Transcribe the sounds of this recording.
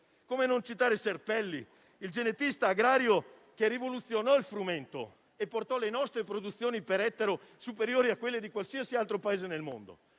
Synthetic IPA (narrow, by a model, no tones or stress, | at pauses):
koːmenont͡ʃit̪aːɾeserpɛlːiː | ld͡ʒenet̪ist̪aːɡɾaːɾjo | kerivolut̪sːjonɔilfɾument̪o̰ | epːort̪ɔlenɔst̪ɾepɾod̪ut̪sːjoːnipeɾɛt̪ːeɾosupeɾjoːɾiakːwelːed̪ikwalsiasialt̪ɾopaeːzenelmo̰nd̪o̰